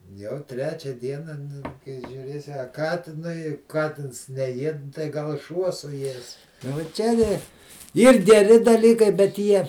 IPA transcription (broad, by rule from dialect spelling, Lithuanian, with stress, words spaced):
jɛʊ ˈtʲrʲæːt͡ʃʲɛ ˈdʲiɛnɐ ˈnʊ kɐɪ ʒʲuːˈrʲeːsʲɪ ɐ ˈkɑːtʲɪnʊɪ ˈkɑːtʲɪns nʲɛˈjiɛt tɐɪ ɡɐlˠ ˈʃuɔ sʊˈjiɛs ʋoː ˈt͡ʃʲɛ tʲɪ ˈiːr ɡʲɛˈrʲɪ dɐˈlʲiːkɐɪ bʲɛt ˈjiɛ